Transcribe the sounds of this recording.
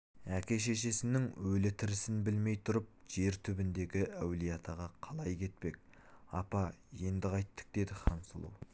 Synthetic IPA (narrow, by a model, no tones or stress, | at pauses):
ækʲe̞ʃ̬e̞ʃ̬e̞sɪnɪŋwɵlɪt̪ʰɪɾɪsɪnbɪlme̞jt̪ʰʊɾəp̚ʒ̥e̞ɾt̪ʰʏbɪnd̪e̞ɡʲɪʔæwlijɑt̪ʰɑʁɑqʰɑlˠɑjkʲʰe̞t̪̚pe̞k̚ | ɑ̰pɑje̞nd̪ɪqɑjt̪ːə̥k̚d̪e̞d̪ɪχɑɴsəlˠṵw